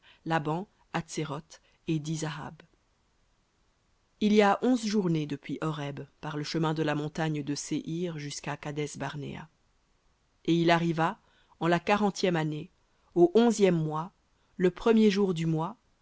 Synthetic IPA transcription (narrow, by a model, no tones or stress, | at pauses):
labɑ̃ | at̪seʁɔt̪ | ed̪izaa̰b | ilijaʔɔ̃zʒuʁned̪əpɥiʔɔʁɛbpaʁləʃəmɛ̃d̪əlamɔ̃t̪aɲd̪əseʔiʁʒyskakad̪ɛsbaʁnḛa̰ | eilaʁiva | ɑ̃lakaʁɑ̃t̪jɛmane | oʔɔ̃zjɛmːwa | ləpχəmjeʒuʁd̪ymwa